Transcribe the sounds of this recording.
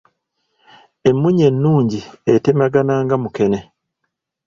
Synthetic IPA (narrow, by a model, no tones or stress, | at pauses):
e̞mːuɲe̞nːuːɲɟiete̞maɡanaːŋɡamuke̞ne̞